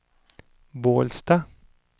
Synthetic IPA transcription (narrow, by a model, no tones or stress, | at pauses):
boːlst̪ɑː